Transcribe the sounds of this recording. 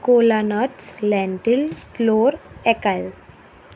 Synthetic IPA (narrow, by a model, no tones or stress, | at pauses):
kolanɔʈslɛ̃ɳʈilfloːɾɛkal